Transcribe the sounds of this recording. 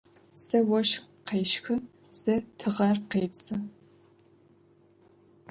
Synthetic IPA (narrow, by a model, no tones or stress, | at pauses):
sɐwɔʃqeːʃxɨ | sɐtʰɨʁɐrqeːpsɨ